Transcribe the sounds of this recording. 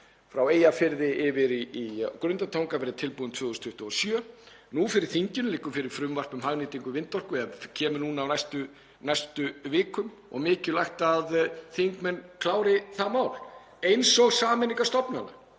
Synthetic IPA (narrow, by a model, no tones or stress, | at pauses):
fɾaweːjafɪɾðɪɪvɪɾiikɾʏnt̪at̪ʰawŋkapɛɾɪt̪ʰɪlpuðʏmt̪ʰvʏːðuʏst̪ʰʏht̪ʏɔsjœː | nufɪɾɪɾ̥θiɲcɪnlɪkːʏfɪɾɪɾ̥fɾʏmvar̥pʏmhaɣnɪːt̪iŋkʏvɪnt̪ɔr̥kʏɛðcʰɛːmʏnuːnawnajst̪ʏ | najst̪ʏvɪːkʏm | ɔ̰ɣmɪːcʏlajxt̪aðθiŋkmɛnkʰlaːwɾɪθamaːwl | ejnsɔɣsaːmɪniŋkast̪ɔpnana̰